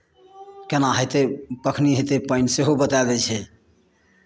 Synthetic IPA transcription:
kenaɦəjt̪epəkʰniɦət̪epəɪnseɦobət̪alɡɛt͡ʃʰɛ

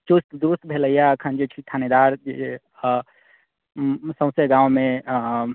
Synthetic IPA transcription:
t͡ʃust̪d̪uɾust̪bʱeləjaəkʰənd͡ʒet͡ʃʰit̪ʰaned̪aɾd͡ʒee | sə̃w̃seɡãwme

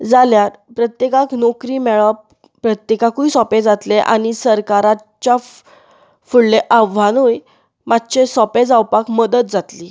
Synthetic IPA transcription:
d͡zaljaɾpɾət̪jekaknɔkɾiːmɛɭap | pɾət̪jekakuisɔpẽd͡zat̪leʔa̰ɽ̃isəɾkaɾa | t͡ɕja | fuɽleʔaʋanuj | mat̪ːɕesɔped͡zawpakməd̪ət̪̚d͡zat̪liː

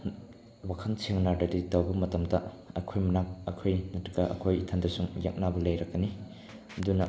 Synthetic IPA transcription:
wakʰɐnsʰeŋnadɐditɐwbɐmɐtɐmdɐ | ɐkʰojmɐnaŋɐkʰojnɐtɐɡɐʔɐ̰kʰojtʰɐndɐsuŋja̰k̚nabɐlɐjɾɐkːɐni | ɐdunɐ

